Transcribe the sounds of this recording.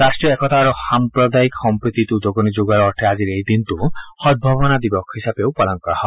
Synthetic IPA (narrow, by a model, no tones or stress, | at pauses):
ɾasʈɾijɔekɔt̪aɾuhampɾɔd̪aiksɔmpɾit̪it̪ud̪oɡɔnid͡ʒoɡaɾɔɔʈʰead͡ʒiɾejd̪int̪uhɔd̪̚bʱɔβɔnad̪ibɔkʰɦisabewpɔlɔŋkahɔ